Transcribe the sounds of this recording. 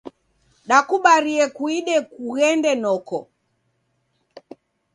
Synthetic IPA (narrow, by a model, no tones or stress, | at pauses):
ɗakuɓaɾiɛkuiɗɛkuɣɛndɛnɔkɔ̰